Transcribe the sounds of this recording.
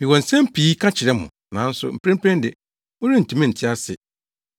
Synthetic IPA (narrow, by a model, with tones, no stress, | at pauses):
mĩ˨wɔ̃˨n̩˨sɛ̃˦m˦pʰiː˨˦kʰã˦t͡ɕʰɪ˨ɾɛ˦mʊ̰̃˨ | nã˨˦n̩˦sʊ̰˦m̩˨pɾɛ̃˦m̩˦pʰɛ̃˦n˦dɪ˨ | ʊ̃˦ɾĩ˦n̩˨tʰũ˨˦mĩ˦n̩˨tʰɪ˦a˦sɪ˨